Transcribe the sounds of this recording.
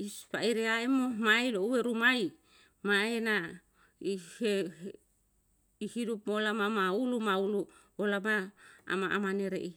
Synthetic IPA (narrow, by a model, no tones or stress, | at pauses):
ispaiɾeaemomailouweɾumaj | maena | ihe | ihidupmolamamaulumaulu | olama̰ːmaʔamaneɾḛʔi